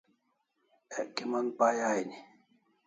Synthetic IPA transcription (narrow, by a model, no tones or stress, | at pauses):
ɛʔkimanpajajni